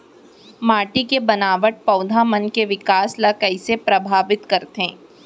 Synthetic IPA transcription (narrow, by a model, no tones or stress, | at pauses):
maːʈikebɐnaːʋəʈ̚pɐːd̪ʱamənkeʋɪkaːslɐkəisepɾɐbʱaːʋɪt̪kɐɾt̪ẽː